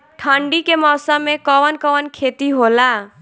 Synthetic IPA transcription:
ʈʰəɳɖikemɔsəmːekɔwənkɔwənkʰet̪iɦola

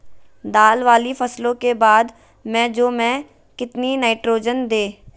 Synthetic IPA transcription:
d̪aːlʋaːlifɐslõkebaːd̪ | mɛ̃d͡ʒoːmɛ̃ | kɪt̪ninaːɪʈɾoːd͡ʒənd̪eː

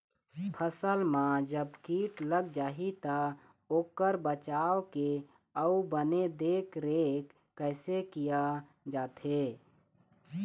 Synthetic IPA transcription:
pʰəsəlmãd͡ʒəbkiːʈləɡ̚d͡ʒaːɦit̪a | oːkəɾbət͡ʃaːʋke | əubəned̪eːkɾeːkːəɪsekija | d͡ʒaːt̪e

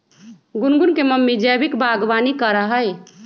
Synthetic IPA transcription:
ɡunɡunkeməmːid͡ʒɛbikbaɡbanikəɾəɦəj

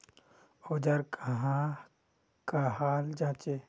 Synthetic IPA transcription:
oːd͡ʒaɾkʰaɦã | kaɦaːld͡ʒãːt͡ʃe

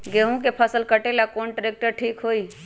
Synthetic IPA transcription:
ɡeɦũk̬epʰəsəlkəʈelakoːnɖɾek̚ʈəɾʈʰiːkɦoːiː

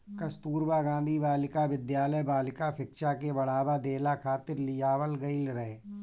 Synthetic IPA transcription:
kɐst̪uːɾbaːɡãːnd̪ʱibaːlɪkaʋɪd̪jaːləjbaːlɪkapʰɪkʃakebɐɽaːbad̪eːlakʰaːt̪ɪɾlɪjaːwəlɡɐilɾɛɦeː

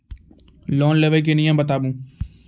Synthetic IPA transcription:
lɔːnleːʋəlk̬eːnɪjãːbət̪aːbũː

